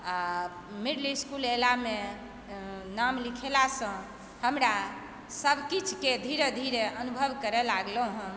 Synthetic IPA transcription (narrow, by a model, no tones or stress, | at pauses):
a | miɽliskulelame | namlikʰelasə̃ | həmɾa | səbʱkit͡ʃʰked̪ʱiɾed̪ʱiɾeʔənubʱəbkəɾɛlaɡləɦə̃